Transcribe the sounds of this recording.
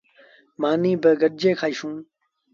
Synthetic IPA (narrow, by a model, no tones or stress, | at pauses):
maːnĩːbəɡəɗ̚d͡ʒeːkʰaːiʃũː